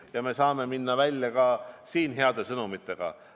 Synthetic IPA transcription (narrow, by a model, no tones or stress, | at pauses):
jɑme̞sɑːme̞minːɑvælʲjɑkɑsiːnɦe̞ɑd̪̥e̞sɤnumit̪ːˑe̞ɡ̥ɑ̰